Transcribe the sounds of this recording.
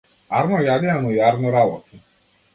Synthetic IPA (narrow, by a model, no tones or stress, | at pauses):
aɾnɔjadɪamuaɾnɔɾawɔ̰ti